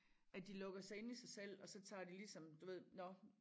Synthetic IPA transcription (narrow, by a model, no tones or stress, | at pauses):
ʔæd̥ilɔ̽ɡ̥ɐsɑ̈ɪe̝nisɑ̈ɪsel̰ɒ̽sɒ̽t͡sʰɑ̰̈ːd̥ilisɒ̽md̥uʋe̝ð̰ˠnɒ̽